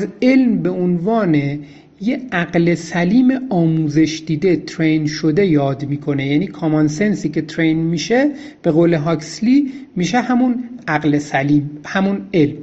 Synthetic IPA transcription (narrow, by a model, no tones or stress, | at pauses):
ze̞lmbe̞onvɒːne̞ | jeæɡle̞sæliːmeɒːmuːze̞ʃd̪̥iːd̪e̞t̪ʰɾejnʃod̪e̞jɒːd̪miːkʰo̞nejæniːkʰɒmɒnse̞nsiːcʰe̞t̪ʰɾejnmiːʃe | b̥e̞ɣoːle̞ɦɒːksliːmiːʃeɦæmunæɣlesæliːmhæmune̞lm